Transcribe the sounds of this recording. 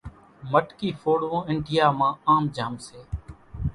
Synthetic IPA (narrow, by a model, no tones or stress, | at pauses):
məʈkiːfʰoːɽõːɪɳɖɪjaːmãːaːmd͡ʒaːmseː